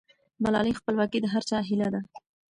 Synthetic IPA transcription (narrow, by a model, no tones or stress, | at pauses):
malɑlixpəlwɑkid̪əɦaɾt͡ʃɑɦilad̪a